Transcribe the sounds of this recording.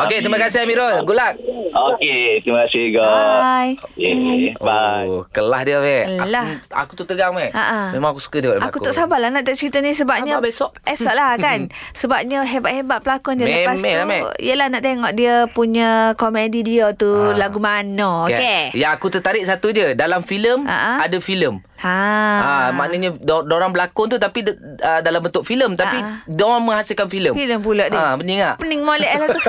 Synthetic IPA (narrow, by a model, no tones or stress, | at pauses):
oket̪ɾiməkasɪhamiɾɔlɡulak̚oket̪ɾiməkasɪhɡobajokeakəlahdiəmɛəlaha̰kut̪ut̪əɡaŋmɛaʔamemaŋakusu̥kədiaa̰akut̪ɔʔsabalahnaʔt̪aʔt͡ʃəɾit̪ənisəbap̚ɲəbsɔʔɛsɔʔlakansəbap̚ɲəɦebaʔ̪̚hebat̪̚pəlakɔndiəmlləpasɛamɛḭjəlahnaʔt̪eŋɔʔdiəpuɲəkomedidiot̪ulaɡumanookejaakut̪ət̪aɾɪʔ̚sat̪ud͡ʒədalamfiləma̰ʔaadafiləm | aamaʔnəɲəddoɾaŋbəlakʊnt̪ut̪apiədalambənt̪ʊʔfiləmt̪aapidɔməŋɦasɪlkanfiləmfiləmpuloʔdɪbəniŋaʔpəniŋmolɛʔɛlat̪u